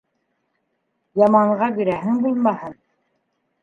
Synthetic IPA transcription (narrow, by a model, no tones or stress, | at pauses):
jɑmɑɴʁɑbiɾæɦɘŋbulˠmɑhɤn